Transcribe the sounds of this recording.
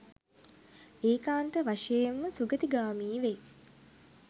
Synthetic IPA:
eːkaːnt̪əʋaʂejemːəsuɡət̪iɡaːmiːʋe

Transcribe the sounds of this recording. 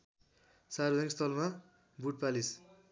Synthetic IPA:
sarbd͡zʌkst̪ʌlma | buʈ̚palis

